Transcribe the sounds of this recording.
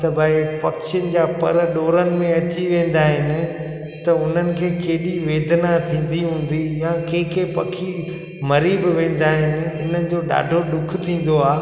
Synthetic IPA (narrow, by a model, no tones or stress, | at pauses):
t̪ɐbʱɐɪpɐkt͡ɕɪnɪ̆d͡ʑaːpɐ̰ɾəɗoːɾənɪ̆mẽɐt͡ɕiʋẽːn̆d̪aːɦɪnɪ̆ | t̪ɐʊn̤ənɪ̆kʰeːkeːɗiʋeːd̪nat̪ʰĩːn̆d̪iɦũːn̆d̪ijãkẽːkʰeːpɐkʰi | mɐɾiːbɪʋẽːn̆d̪aːɦɪnɪ̆ɪnənɪ̆d͡ʑoːɗa̰ːɖʱoɗʊkʰɪt̪ʰĩːn̆d̪oaː